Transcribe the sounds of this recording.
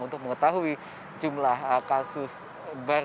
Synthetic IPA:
unt̪ʊk̚məŋət̪aɦui | d͡ʒumlahəkasʊs | baɾ

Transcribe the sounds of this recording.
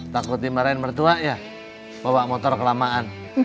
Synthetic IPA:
t̪akʊt̪̚d̪imaɾaɛnmərt̪uaʔja | bawaʔmɔt̪ɔrkəlamaʔan

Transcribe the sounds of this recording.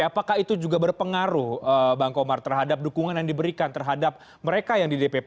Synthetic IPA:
apakahit̪ud͡ʒuɡabərpəŋaɾuhəbaŋkomart̪ərɦadap̚dukuŋanjaŋdibəɾikant̪ərɦadap̚ | məɾekajaŋdidepep

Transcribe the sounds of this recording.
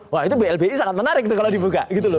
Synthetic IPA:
wait̪ubeɛlbeisaŋat̪̚mənaɾɪk̚t̪kalodibuɡa̰ʔɡit̪̬ulʊ

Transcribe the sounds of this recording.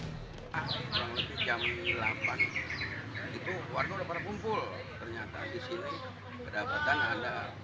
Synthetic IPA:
akuɾaŋləbid͡ʒamlapan | it̪uwarnudapaɾakumpʊl | t̪ərɲat̪a̰disini | pədabat̪anada

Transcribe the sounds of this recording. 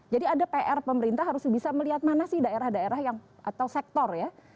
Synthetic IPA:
d͡ʒadiadapeʔɛrpəməɾint̪aɦaɾʊsbisaməliɦat̪̚manasɪhdaeɾahdaeɾahjaŋʔat̪awsɛk̚t̪ɔrja

